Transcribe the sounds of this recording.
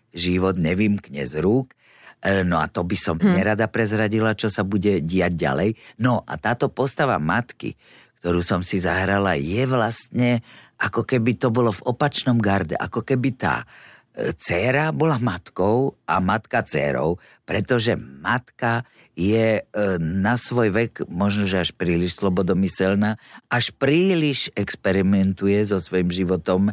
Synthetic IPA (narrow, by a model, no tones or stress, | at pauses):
ʒiʋɔd̪ɲɛʋiːmkɲɛ̰zɾuːk | nɔat̪ɔbisɔmɲɛɾad̪apɾɛzɾaɟilat͡ʃɔsabuɟɛɟɪaɟɟa̰lɛjnɔʔa̰t̪aːt̪ɔpɔst̪aʋa̰mat̪kḭ | k̚t̪ɔɾuːsɔmsizaɦɾala̰jɛʋlast̪ɲɛʔakɔkɛbit̪ɔbɔlɔvɔpat͡ʃnɔmɡaɾɟ̪ɛ̰ʔakɔkɛbit̪a̰ː | t͡sɛɾabɔlamat̪kɔʊa̰mat̪kat͡sɛ̰ɾɔ̰ʊ | pɾɛt̪ɔʒɛmat̪ka | jɛ | nasʋɔjʋɛkmɔʒnɔʒɛaʃpɾiːliʃslɔbɔd̪ɔmisɛlnaːaʃpɾiːliʒɛkspɛɾimɛnt̪ujɛzɔsʋɔjimʒiʋɔt̪ɔm